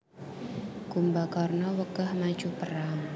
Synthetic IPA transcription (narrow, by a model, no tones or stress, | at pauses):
kumbakɔrnɔwəkahmḁʒ̥upəɾaŋ